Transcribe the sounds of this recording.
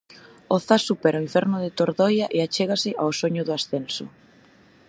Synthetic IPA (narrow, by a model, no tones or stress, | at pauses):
oθasːupɛɾaiɱfɛɾnʊðɪt̪oɾðɔjaʔeat͡ʃeɣ̞asɪʔawsoɲʊðʊasθensʊ̰